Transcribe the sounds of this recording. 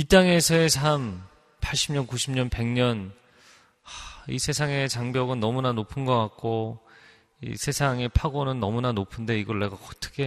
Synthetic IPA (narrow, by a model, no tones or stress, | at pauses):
it͈aŋe̞sʰʌesʰam | pʰaɭɕ͈ʰimɲʌnkuɕʰimɲʌnpe̞ŋɲʌn | aḭsʰe̞sʰaŋe̞t͡ɕaŋbjʌɡɯnːʌmunanopʰɯnɡʌk͈ak̚k͈o | ḭsʰe̞sʰaŋe̞pʰaɡonɯnːʌmunanopʰɯnde̞iɡʌɭːe̞ɡaʌt͈ʰɯ̥kʰe